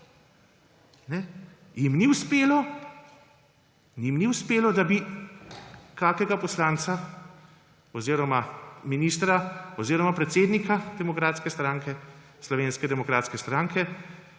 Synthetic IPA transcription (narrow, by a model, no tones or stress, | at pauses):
nɛ | jimniwspeːlɔ | nimniwspeːlɔd̪abi | kaːkɛɡapɔslaːnt̪sa | ɔziːɾɔmaminiːst̪ɾaɔziːɾɔmapɾɛt̪seːd̪nikad̪ɛmɔkɾaːt̪skɛst̪ɾaːŋkɛ | slɔʋeːnskɛd̪ɛmɔkɾaːt̪skɛst̪ɾaːŋkʰɛ